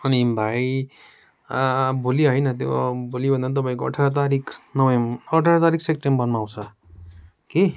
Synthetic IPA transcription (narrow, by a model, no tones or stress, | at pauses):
ʌnibʱaj | bʱoliɦʌjnʌt̪̬jobʱolibʌndʌnt̪ʌpaĩkoʌ̰ʈʰaɾʌt̪̬aɾikʰnʌwʌjʌʈʰaɾʌt̪aɾikʰsekʈembʌnmaw̃t͡sʰʌ | ke